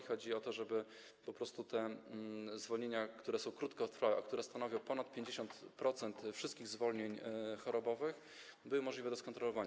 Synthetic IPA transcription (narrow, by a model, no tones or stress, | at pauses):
xɔd͡ʑiɔt̪ɔʐɛbɘ | pɔpɾɔst̪ut̪ɛ | zvɔlɲeɲakt̪uɾɛsɔ̃w̃kɾut̪kɛt̪ɾfawɛʔakt̪uɾɛst̪anɔvʲjɔ̃w̃pɔnat̪̚pʲjeɲd͡ʑeɕɔnt̪pɾɔt̪sɛnt̪fʂɘst̪kʲiɣzvɔlɲeɲxɔɾɔbɔvɘx | bɘwɘmɔʐlʲivɛd̪ɔskɔnt̪ɾɔlɔvaɲ